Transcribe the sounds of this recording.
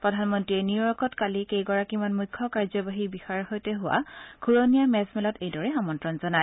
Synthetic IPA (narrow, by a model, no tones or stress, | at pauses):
pɹɔdʱanmɔntɹiɛniʊɹɔkɔtkalikejɡɔɹakimanmujkʰːɔkaɹzɔbaɦibixaɹɹxojtɛɦʊwa̰kʰuɹonijamɛzmɛlɔtejdɔɹɛxamɔntɹɔnzɔnaj